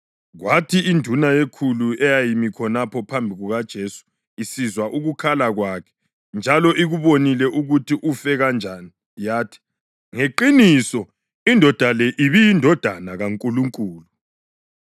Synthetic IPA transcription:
ɣwatʰiindʱunajekʰuluɛjajimikʰɔnapʰɔpʰambʱiɣuɣad̥ʒ̥ʱesu̥ | isizwaʔuɣukʰalaɣwakʰɛ̥ | nd͡ʒʱalɔʔiɣuβonilɛʔuɣutʰiʔufɛɣand͡ʒʱaːni | jaːtʰi̥ | ŋeǃinisɔ | indʱɔd̥ʱalɛʔiβijindʱɔd̥ʱanaɣaŋkʼuluŋkʼuːlu

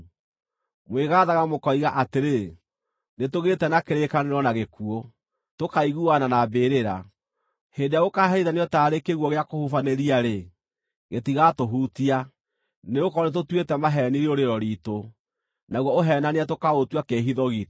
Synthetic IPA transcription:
mweːɣaːðaɣamokɔiɣaʔateɾe | netoɣetɛnakeɾekaneɾwɔnaɣekuɔ | tokaiɣuananabeɾeɾa | heːndeaɣokaɦɛiðaneɔtaːɾekeɣwɔɣeakohufaneɾiaɾe | ɣetiɣatoɦutia | neokɔnet̬otwetɛmaɦɛniɾioɾeɾɔɾiːto | naɣwɔoɦɛːnaneatokaotwakeɦiðɔɣit

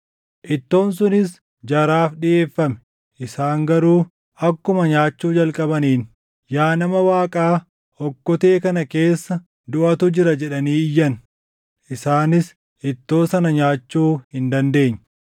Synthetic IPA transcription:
ʔɪt̪ːo̞ːnsʊnɪs | d͡ʒɐɾaːfɗɪʔe̞ːfːɐmɛ̥ | ʔɪsaːŋɡɐɾuː | ɐkːʊmɐɲaːt͡ʃːuːd͡ʒɐlkʼɐbɐniːn | jaːnɐmɐwaːkʼaː | ɔkːɔt̪e̞ːkɐnɐke̞ːsːɐ | d̪ʊʔɐt̪ʊd͡ʒɪɾɐd͡ʒɛᶑɐniːjːɐn | ʔɪsaːnɪs | ʔɪt̪ːo̞ːsɐnɐɲaːt͡ʃːuːhɪnd̪ɐnd̪e̞ːɲːɐ

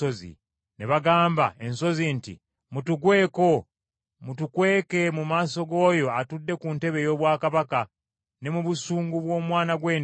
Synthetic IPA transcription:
ozḭ | neβaɡaːmba̰e̞nso̞zintḭ | mutuɡwe̞ːko̞ | mutukwe̞ːke̞mumaːso̞ɡo̞ːjo̞atudːe̞kunte̞βejo̞ːβwaːkaβaka | ne̞muβusuːŋɡuβwo̞ːmwaːnaɡwe̞ːn

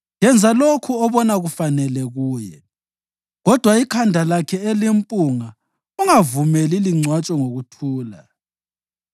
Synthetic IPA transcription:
jɛnd͡zʱalokʰuɔβɔnaɣufanɛlɛɣuːjɛ̰ | ɣɔd̥ʱwaikʰandʱalakʰɛelimpʼuŋa | uŋavumɛliliŋ͡ǀʱwat͡ʃʼɔŋoɣutʰuːla

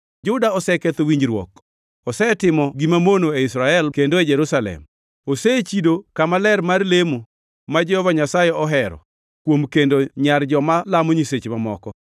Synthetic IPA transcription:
d͡ʒʊdaɔsɛket̪owiɲd͡ʒɾwɔ̰k | ɔsɛtɪmɔɡimamonoeisɾaɛlkendoed͡ʒɛɾusalɛ̰m | oset͡ʃidokamalɛrmarlemo | mad͡ʒɛhɔvaɲasajeɔɦɛɾɔ̰ | kwomkendoɲard͡ʒɔmalamoɲiset͡ʃmamɔ̰kɔ

